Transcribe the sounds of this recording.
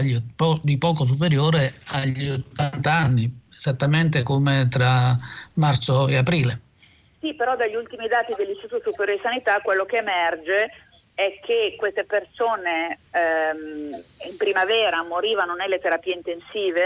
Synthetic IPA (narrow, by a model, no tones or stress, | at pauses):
ʎːpɔd̪ipɔːkos̬up̬eɾjoːɾeaʎt̪ːant̪aanːiez̥at̪ːament̪ekomet̪ɾamart̪soeapɾiːle | sipeɾɔd̪aʎːult̪imid̪aːt̪id̪elːinst̪it̪usupeɾjoɾesanit̪akːwelːokeːmɛrd͡ʒeɛkʰːekwest̪epersoːne | impɾimavɛːɾamoɾiːvanonelːet̪eɾapiːeint̪ensiːve